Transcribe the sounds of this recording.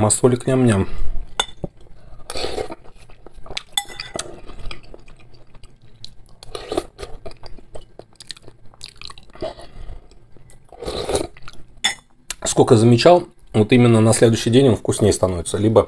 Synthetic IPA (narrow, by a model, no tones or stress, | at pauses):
mɐsolʲɪknʲamnʲam | skokəzəmʲɪt͡ɕalˠ | vot̪imʲɪnːənɐsʲlʲe̞d̪ʊɕːɪjdʲenʲo̞nfkʊsʲnʲejst̪ɐno̞vʲɪt̪səlʲibə